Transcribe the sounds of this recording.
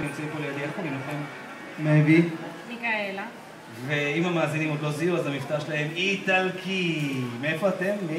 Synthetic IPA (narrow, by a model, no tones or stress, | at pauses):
imt͡simpolejad̪ianχomimnaχemː | evinikaela | ve̞imamaːzinimod̪loziuazamift̪aʁʃlaɦe̞mit̪alkʰimeefo̞at̪e̞mː